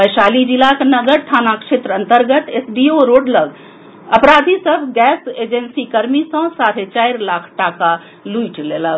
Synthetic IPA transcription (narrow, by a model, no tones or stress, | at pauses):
bəjsalid͡ʒilaknəɡəɾʈ̪ʰaːnakʃet̪ɾəənt̪əɾɡət̪esbioɾoːɖləɡ | əpɾad̪ʱisəbʱɡɛsed͡ʒensikəɾmisə̃saɾet͡ʃaiɾlakʰʈaka | luiʈlelə